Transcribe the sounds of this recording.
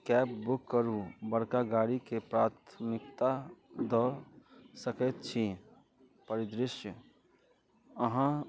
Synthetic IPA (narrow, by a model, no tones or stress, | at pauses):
kɛːp̚bʊkːəɾubəɽkaɡaːɽikepɾaːt̪ʰmɪkt̪ad̪ɔ | səkət̪t͡ʃʰi | pəɾɪd̪ɾɪʃjə | əɦã